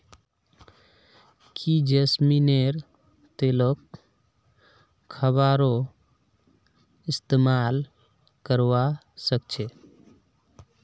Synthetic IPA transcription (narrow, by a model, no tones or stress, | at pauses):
kʰid͡ʒesmineɾ | t̪elok | əβaɾo | ist̪emal | kəɾwa | sək̚t͡ʃʰe